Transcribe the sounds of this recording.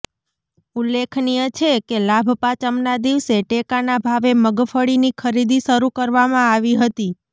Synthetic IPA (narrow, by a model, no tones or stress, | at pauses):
ulːekʰnijət͡ʃʰekelabʱpat͡ʃəmnad̪iʋseʈekanabʱaʋeməɡfəɽinikʰəɾid̪iʃəɾukəɾʋamãaʋiɦət̪i